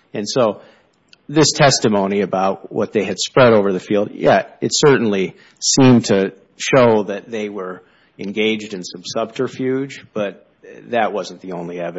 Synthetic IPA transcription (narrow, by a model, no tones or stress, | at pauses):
ɨ̃nsoʊ | ðɪstʰɛstɨmõʊ̃ñiɨbaʊt̚wʌ̰t̪̚ðeɪɨd̥spɹɛɾoʊvə˞ðɨfilˠd̚jɛɨtsɜ˞ʔn̩li | sĩmtʰɨ | ʃoʊðɨt̪̚ðeɪwə˞ | ɨ̃nɡeɪd͡ʒdɨ̃nsʌ̃msʌb̚tʰə˞fjʉ̥d͡ʒb̥ʌt̪̚ | ðɨʔ̚wʌz̃n̩ðiõʊ̃nliɛv